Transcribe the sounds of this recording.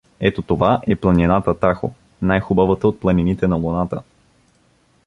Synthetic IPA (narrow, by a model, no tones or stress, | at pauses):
ɛt̪ot̪ovaʔɛplˠɐninat̪ət̪axo̰ | najxʊbavət̪əot̪̚plˠɐninit̪ɛnɐlˠonat̪ə